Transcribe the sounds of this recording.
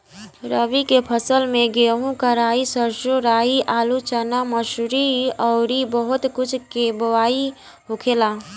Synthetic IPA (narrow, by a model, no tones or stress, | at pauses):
ɾəʋikepʰəsəlmẽɡeːɦũkəɾaːisəɾʃoɾaːiʔaːlut͡ʃənaməʃɾiɔːɾibəɦʊt̪kʊt͡ʃʰkeːbʋaːi | ɦokʰelaː